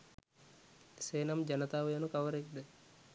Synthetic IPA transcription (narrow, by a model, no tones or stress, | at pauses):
seːnamd͡ʒanət̪aːʋəjanukaʋəɾek̚d̪ə